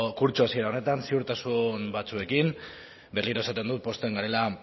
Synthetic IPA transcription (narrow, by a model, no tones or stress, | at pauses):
kuɾt͡ʃoasie̞ɾao̞ne̞t̪ansiuɾt̪asunbat͡sue̞kim | be̞ɾliɾo̞e̞sat̪end̪ut̪̚po̞st̪eŋɡaɾe̞la